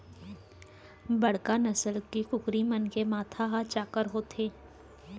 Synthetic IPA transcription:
bɐɽ̤kanɐsəlkikʊkɾimənkemaːt̪ʰaɦat͡ʃaːkəɾɦoːt̪ʰeː

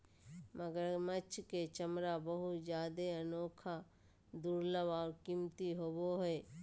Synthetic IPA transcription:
məɡəɾmət͡ʃʰket͡ʃəmɾabəɦʊd͡ʒjaːd̪eənoːkʰa | d̪uːɾləbaːɾkimt̪iɦoːboɦɛː

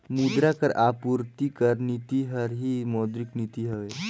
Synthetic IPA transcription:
mud̪ɾakəɾapuɾt̪ikəɾnit̪iɦəɾɦimɔd̪ɾiknit̪iɦəʋe

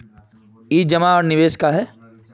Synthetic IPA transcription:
iːd͡ʒɐmaɔːɾnɪʋeːʃkaɦɛː

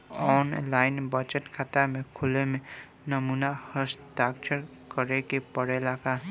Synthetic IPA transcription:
ɔːnlaːɪnbət͡ʃəʈkʰaːt̪amẽkʰʊlemẽ | nəmuːnahəst̪aːkt͡ʃʰəɾ | kəɾekepəɽelaɡaː

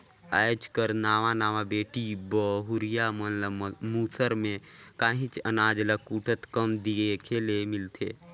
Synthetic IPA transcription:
aːjd͡ʒkəɾnaːʋanaːʋabeːʈibɔɦʊɾɪjaməmuːsəɾmẽkaːɦĩt͡ʃənaːd͡ʒləkuːʈʰət̪kəmd̪iekʰeːlemɪlt̪ʰḛː

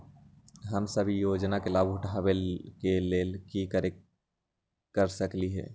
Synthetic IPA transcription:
ɦəmsəbʱijoːd͡ʒnakelaːbʊʈʰaːwekeleːlkikəɾe | kəɾsəkliɦɛ̰ː

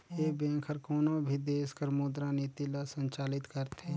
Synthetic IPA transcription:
jebẽkʰəɾkoːnobʱid̪eːskəɾmoːd̪ɾanit̪ilasə̃nt͡ʃaːlɪt̪kəɾt̪ʰeː

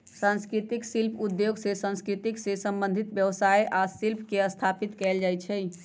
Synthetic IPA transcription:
sãnskɾit̪iksilpʰud̪joɡsesãnskɾit̪iksesə̃mbə̃nd̪ʱit̪bjəʋsajʔasilpʰkeəst̪ʰapit̪kɛld͡ʒajt͡ʃʰɛj

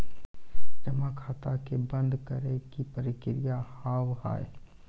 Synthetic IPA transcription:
d͡ʒɐmakʰaːt̪akebə̃nd̪kɐɾekipəɾɪkɪɾijahaːwha̰ːe

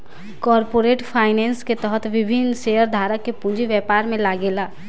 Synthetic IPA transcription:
kɔːɾpoːɾeːʈpʰaːɪnɛ̃ːnsket̪əɦət̪ʋɪbʱɪnʃejəɾd̪ʱaːɾakːepũd͡ʒiʋjɛpaːɾmẽlaːɡeːlaː

